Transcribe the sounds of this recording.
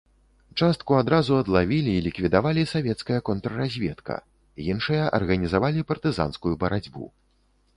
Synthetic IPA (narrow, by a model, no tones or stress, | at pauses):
t͡ʂast̪̚kuad̪ɾazuɐd̪lˠavʲilʲiːlʲikvʲid̪avalʲisavʲɛt̪skɐjɐkɔnt̪ɾɐɾazʲvʲɛt̪kʰɐ̰ | jinʂɨjɐʔɐ̰rɣɐnʲizavalʲipɐrt̪ɨza̰nskujubɐɾad͡zʲbṵ